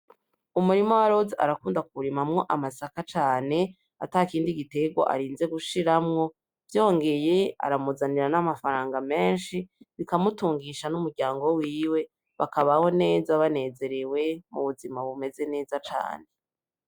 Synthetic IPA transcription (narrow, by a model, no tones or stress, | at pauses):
umuɾimowaɾo̞zeʔa̰ɾakuːndakuuɾimamŋo̞ʔamasakat͡ʃaːne̞ | atakiːndiɡite̞ɡwo̰ʔa̰ɾiːnze̞ɡuʃiɾamŋo̞ | vjo̞ːŋɡe̞je̞a̰ɾamuzaniɾanamafaɾaːŋɡame̞ːnʃiβikamutuːŋɡiʃanumuɾɟaːŋɡo̞wiːwe̞ | βakaβaho̞ne̞ːzaβane̞ːze̞ɾewe̞mṵβuzimaβume̞ze̞ne̞ːzat͡ʃa̰ːne